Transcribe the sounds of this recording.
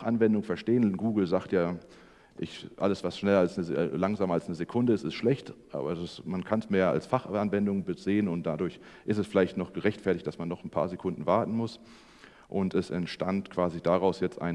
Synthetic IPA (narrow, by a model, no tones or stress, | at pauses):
χʔanvɛndʊŋfɛɐʃteːənɡuːɡl̩zaːktjaː | ʔɪçʔa̰ləsv̥asʃnɛlɐalsnəlaŋzaːmalsnəzekʰʊndəɪstɪstʃlɛçtʔa̰ːbɐsmankʰansmeːɐa̰lsfaχanvɛndʊŋbəzeːənʊnt̚d̥adʊɐç | ʔɪstɛsfɪlaɪçtnɔχɡ̥əʁɛçtfɛɐtɪçt̚d̥asmanːɔχn̩pʰa̰ːɐzekʰʊndn̩vaɐtn̩mʊs | ʔʊntɛsɛntʃtantkʰv̥aːzidaʁaʊsjɛt͡stʔa̰ɪn